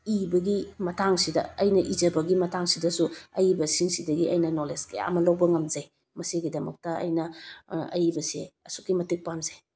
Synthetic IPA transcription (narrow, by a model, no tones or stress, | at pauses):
ibɐɡimɐtʰaŋsidɐɐjnɐʔizɐbɐɡimɐtʰaŋsidɐsuɐjibɐsiŋsidɐɡiʔɐjnɐnoleskeja̰ɐ̰mɐlowbɐŋɐmzej | mɐsiɡidɐmɐk̚tɐɐ̰jnɐɐjibɐsieɐsu̥kːimɐtik̚pamzej